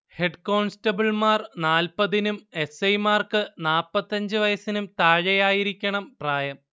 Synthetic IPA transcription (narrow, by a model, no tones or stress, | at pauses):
he̞ɖko̞ːɳstɐbɐɭmaːrnaːlpɐðinume̞sɐjmaːrkɨnaːlpːɐt̪ːɐɲd͡ʑɨʋɐjɐsinumt̪aːɻɐjaːjiɾikʲːɐɳɐmpraːjɐm